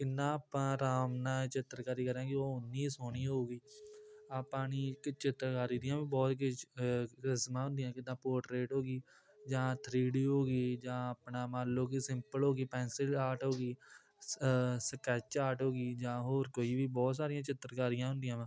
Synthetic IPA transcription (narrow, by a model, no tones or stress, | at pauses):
kɪnːãːaːpãːɾaːmnãːt͡ʃɪt̪ːɾkaːɾiːkəɾãːkɪoːʊnːiːsoːniːɦoːɡiːaːpːãːniːkt͡ʃɪt̪ːɾkaːɾiːd̪ijãːʋĩːbɔːt̪kʊ | kɪsmãːɦʊ̃nd̪ɪjãːkɪd̪ãːpoːʈɾeːʈɦoːɡiː | d͡ʒãːt̪ʰɾiːɽiːɦoːɡiːd͡ʒãːapnaːmaːloːɡiːsɪmpəlɦoːɡiːpɛ̃ːnsɪlaːʈɦoːɡiː | səkɛːt͡ʃt͡ʃaːɾʈɦoːɡiːd͡ʒãːɦoːɾkoːiːʋiːbɔːt̪saːɾijãːt͡ʃɪt̪ːɾkaːɾijãːɦʊ̃nd̪ɪjãːʋãː